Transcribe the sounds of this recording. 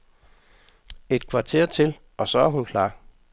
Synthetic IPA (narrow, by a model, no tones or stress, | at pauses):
e̝d̥kʰʋɑ̈t͡sʰe̝ɐ̰t͡sʰe̝l | ʔɒ̽sɒ̽æɐɦunkʰlɑ̰̈ː